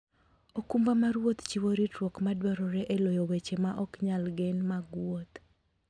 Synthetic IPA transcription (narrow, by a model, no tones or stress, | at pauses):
okumbamaɾwot̪t͡ʃiwoɾitwokmadwɔɾɔɾɛʔelojowet͡ʃemaʔɔkɲalɡɛnmaɡwot̪